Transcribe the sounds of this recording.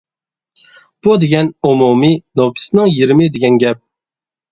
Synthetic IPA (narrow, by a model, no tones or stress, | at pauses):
b̥ud̪eɡʲɛnumuminopʲʰi̥snɪŋjiɾmɪd̪eɡʲɛnɡʲɛp̚